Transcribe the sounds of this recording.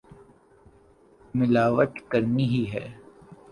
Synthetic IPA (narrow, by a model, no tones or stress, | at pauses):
mɪlaːʋəʈ̪kɐɾniɦiɦɛ̰ː